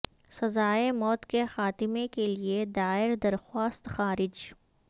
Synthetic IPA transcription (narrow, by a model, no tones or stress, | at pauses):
sɐzaːemɔːt̪kexaːt̪ɪmekelied̪aːɪɾd̪ɐɾxwaːst̪xaːɾɪd͡ʒ